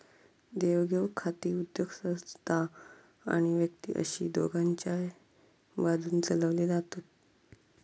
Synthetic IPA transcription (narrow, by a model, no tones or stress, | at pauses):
d̪eʋɡʱeʋkʰːat̪iːud̪joɡsə̃st̪ʰa | a̰ɽ̃iʋjəkt̪ḭʔə̰ɕḭːd̪o̰ɡaɲt͡ɕja | ʋad̪uːnt͡sələʋliːd͡zat̪ot̪̚